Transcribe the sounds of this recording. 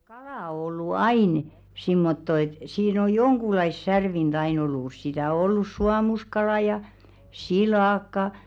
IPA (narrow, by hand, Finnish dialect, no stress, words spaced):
kɑlɑˑ o olːu ɑin simːotːo et siːn o joŋɡ̊ulɑis særʋind̥ ɑin olːus sitæ o olːus suɑmuskɑlɑˑ jɑ silɑˑkːɑ